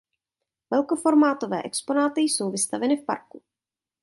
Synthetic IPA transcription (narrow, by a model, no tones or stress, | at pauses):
vɛlkofo̞ɾmaːt̪o̞vɛ̰ːʔɛkspo̞naːt̪ɪjso̞wvɪst̪avɛnɪfpa̰ɾku